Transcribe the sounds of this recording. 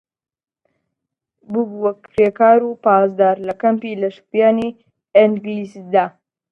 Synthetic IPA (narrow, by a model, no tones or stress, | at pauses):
bubuwɐk̚pɾeːkaːɾupaːzd̪aːɾlɐkɐmpilɐʃpjaːni | ɪŋɡlisd̪aː